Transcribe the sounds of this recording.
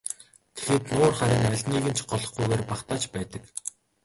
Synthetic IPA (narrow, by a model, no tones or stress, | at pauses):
t̪ʰe̥xeːt̪nʊːrχaɾʲɪ̆ŋæɮʲniːɣɘ̆nt͡ɕʰɢɔɮɞ̆χɡujɣeːrpaχt̪aːt͡ɕpæːt̪ə̆k